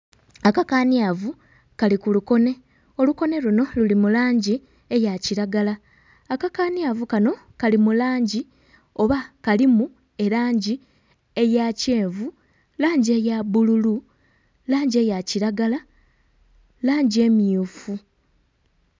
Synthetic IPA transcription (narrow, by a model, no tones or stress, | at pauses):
akakaːniavu | kalikuluko̞ne̞ | o̞luko̞ne̞luno̞lulimulaːɲɟi | e̞jaciɾaɡalaː | kakaːniavukano̞ | kalimulaːɲɟi | o̞βakalimu | e̞ɾaːɲɟi | e̞jace̞ːɱvu | laːɲɟie̞jaβululu | laːɲɟie̞jaciɾaɡala | laːɲɟie̞mjufu